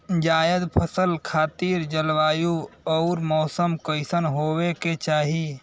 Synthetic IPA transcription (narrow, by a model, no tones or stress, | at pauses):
d͡ʒaːjəd̪pʰəsəlkʰaːt̪iɾd͡ʒəlʋaːjuɔʊɾmɔːsəmkəɪsənɦoweket͡ʃaːɦi